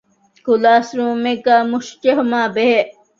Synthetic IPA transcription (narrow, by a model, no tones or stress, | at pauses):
kulaːsɾuːmeɡaːmuʃt͡ʃeɦumaːbeɦe